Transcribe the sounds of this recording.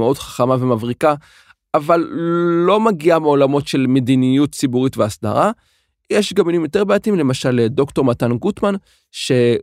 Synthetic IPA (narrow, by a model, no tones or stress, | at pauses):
eodχḁχamave̞mavʁika | avalːo̞maɡiameo̞lamo̞tʃe̞lme̞dinijut̚t͡sibuʁitveasda̰ʁa | jeʃɡaminimjo̞te̞ʁbeatimle̞maʃaledo̞kto̞ʁmatanɡutman | ʃe̞